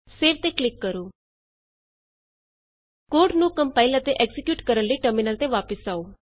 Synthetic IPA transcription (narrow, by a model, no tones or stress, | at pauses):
seːɾt̪eːklɪkːəɾoː | koːɾɖnũːkəmpaːilət̪eːʔɛːkzɪkjuːʈkəɾənlːəiːʈəɾmɪnəlt̪eːʋaːpəsaːoː